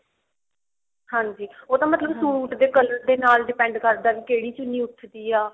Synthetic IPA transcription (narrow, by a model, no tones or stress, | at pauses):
hãːɲd͡ʒiːoːt̪ãːmət̪ləbsuːʈd̪eːkələɾd̪eːnaːlɖɪpɛ̃ːɳɖkəɾd̪aːʋiːkeːɽiːt͡ʃʊnːiːʊt̪ʰːd̪iːaː